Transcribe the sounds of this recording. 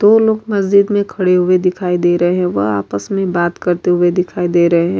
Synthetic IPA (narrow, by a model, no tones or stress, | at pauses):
d̪oːloːɡmɐzd͡ʒɪd̪mẽkʰɐɽeɦʊed̪ɪkʰaːid̪eːɾɐɦeɦɛ̃ʋɐɦa̰ːpəsmẽbaːt̪kɐɾt̪eɦʊed̪ɪkʰaːid̪eːɾɐɦeɦɛ̃ː